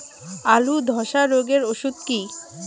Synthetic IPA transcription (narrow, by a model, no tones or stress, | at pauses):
alud̪ʱɔʃaɾoɡeɾoʃud̪̚ki